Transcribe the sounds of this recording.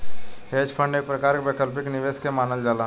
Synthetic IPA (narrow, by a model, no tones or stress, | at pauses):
heːd͡ʒpʰə̃ɳɖeːk̚pɾɐkaːɾkebeːkəlpɪknɪʋeːskemaːnəld͡ʒaːlaː